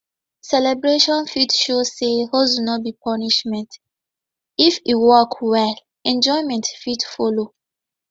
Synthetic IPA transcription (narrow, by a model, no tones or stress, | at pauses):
sɛlɛbɹeʃɔ̃nfitʃozsehozunɔt̚bipʰɔniʃmɛ̃nt | ifiwɔkʰwɛl | ɛ̃nd͡ʒɔɪmɛ̃ntfitfɔlo